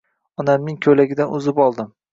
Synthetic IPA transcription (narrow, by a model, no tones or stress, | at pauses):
ɒnamnɪŋkʲʰɵlaɡʲɪd̪anʔʊzɪpɒlˠd̪ɪm